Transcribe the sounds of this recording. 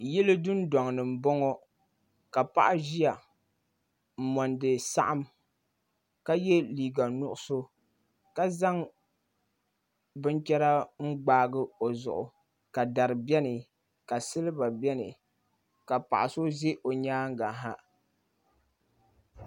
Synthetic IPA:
jɛ˦lɨ˦dʊ˦n˦dɔ˨ŋ˨nɨ˨m̩˨bɔ˦ŋɔ˦ | ka˨pa̰˦ʔa˦ʒi˦a˨ | m̩˨mɔ˨ndɨ˨sa̰˦ʔa˦m | ka˦jɛ˦liː˨ɡa˨nʊ˦ʔʊ˦so˦ | ka˦za˦ŋ | bɨ˦nt͡ʃɛ˦ɾa˦ŋ͡m̩˦ɡ͡baː˦ɡɨ˦o˨zʊ̰˨ʔʊ̰˨ | ka˨da˨ɾɨ˨bɛ˦nɨ˨ | ka˨sɨ˦lɨ˦ba˨bɛ˦nɨ̰˨ | ka˨pa̰˨ʔa˨so˦ze˦ʔo˨ɲaː˦ŋ˦ɡa˨ɦa˦

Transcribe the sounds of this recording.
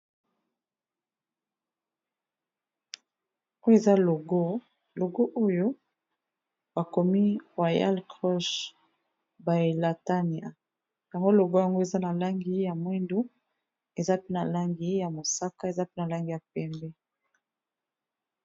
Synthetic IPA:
o˦e˨za˦lo˨ɡo˦ | lo˨ɡo˦ʔo˦jo˦ | ba˨ko˨mi˦ʁwa˨ja̰˦lkʁɔ˦ʃ | ba˨la˨ta˦ni˨a˨ | ja˨ŋɡo˦lo˨ɡo˦ja˨ŋɡo˦e˨za˦na˨la˦ŋɡi˨˦ja˨mwɛ˦ndo˦ | e˨za˦pe˦na˨la˦ŋɡi˨˦ja˨mo˨sa˦ka˦e˨za˦pe˦na˨la˦ŋɡi˨ja˨pɛ˨mbɛ˦

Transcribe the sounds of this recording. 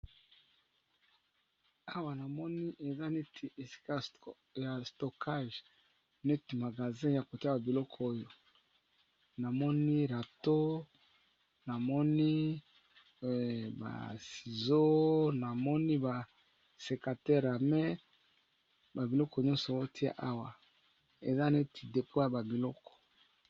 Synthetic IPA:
a˦wa˨na˨mɔ˦ni˦ʔe˨za˦ne˦tʰi˨e˨si̥˦ka˦˨ | ja˨sto˨kʰa˦˨ʒ | ne˦ti˨ma˨ɡa˨zɛ̃˦ja˨ko˨ti˦a˦ba˨bi˨lɔ˦kʰɔ˨o˦jo˨ | na˨mɔ˦ni˦ʁa˨to˦ | na˨mɔ˦ni˦ | ba̰˨si˨zo˦na˨mɔ˦ni˦ba˨ | se˨ka˨tɛ˦ʁa˨mɛ˦ | ba˨bi˨lɔ˦kɔ˨ɲɔ̃˦nsɔ˨˦o˦tʰi˦a̰˦ʔa˦wa˨ | e˨za˦ne˦tʰi̥˨de˨pʰo˦ja˨ba˨bi˨lɔ˦kɔ̥˨

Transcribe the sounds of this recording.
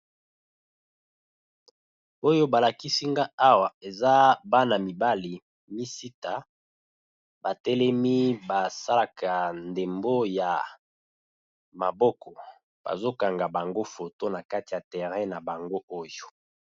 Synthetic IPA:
o˦jo˦ba˨la˨ki˦si˦ŋɡa˦a˦wa˨e˨za˦ba˦na˨mi˨ba˦li˨ | mi˦si˦ta˨ | ba˨tɛ˦lɛ˦mi˦ba˨sa˦la˨kʰa˨nde˨mbo˦ja˨ | ma˨bɔ˦kɔ˨ | b̥a̰˨zo˦ka˨ŋɡa˨ba˨ŋɡo˦fo˨to˦na˨ka˦ti˨ja˨tɛ˨ʁɛ˦na˨ba˨ŋɡo˦o˦jo˨

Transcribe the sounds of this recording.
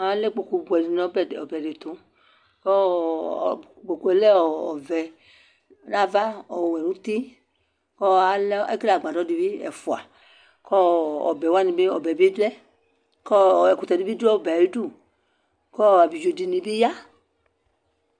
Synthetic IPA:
a˨˦lɛ˦k͡po˨ku˧bu˨ɛ˨di˧˨nɔ̃˨˦bɛ˦˨ɔ˨bɛ˨de˨t̪ũ˨˦ | kɔ˦˨ | k͡po˨ku˦ɛ˨lɛ˦ɔ˨ɔ˨vɛ˨˦ | na˦va˦ɔ˨wɛ˨nũ˦t̪i˦ | kɔ˦a˨˦lɛ˦a̰˦ki˦a˨ɡ͡bã˨dɔ˨˦di˧bi˦ɛ̰˨fu˨a̰˨ | kɔ˦ɔ̰˨bɛ˨wa˦nĩ˧be˦ɔ˨bɛ˨bi˦dɛ˦ | kɔ˦˨ɛ˨ku˨t̪ɛ˨di˨˦bi˦dɛ˦˨bɛ˨i˦du˦˨ | kɔ˦˨a˨bi˨d͡ʒo˧di˧nĩ˧bi˦ja˦

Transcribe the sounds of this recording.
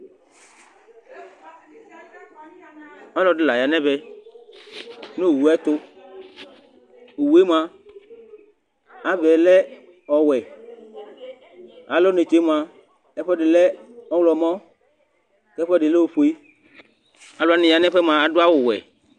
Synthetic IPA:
ɔ˦lɔ˨dɪ˨la˨ja˨nɛ̃˦bɛ˦ | no˦˨wu˨ɛ˦t̪ʊ˦ | o˨wu˨˦e˦m˦ã˨ | a˨vɛ˨lɛ˦ | ɔ˨wɛ˨ | a˨lo˦ne˨t͡ʃe˨˦m˨ã˨ | ɛ˦ɸɛ˦dɪ˨lɛ˦ɔ˦wlɔ˨mɔ̃˦ | kɛ˦ɸɛ˦ɖɪ˨le˦o˨ɸo˦i˦ | a˨lʊ˦a˦nɪ̃˨ja˨nɛ̃˦ɸɛ˦mã˨a˨dʊ˦a˦wʊ˨wɛ̰˨

